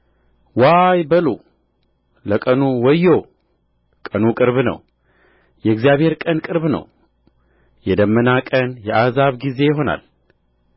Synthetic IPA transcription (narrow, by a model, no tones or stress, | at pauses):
wajbəlu | ləkʼənuwɔjːo | kʼənukʼɨɾβnə̰w | jɛɨɡzijaβhe̞ɾkʼənkʼɨɾβnə̰w | jɛd̪əmːənakʼənjɛʔazaβɡize̞jɪɦo̞na̰l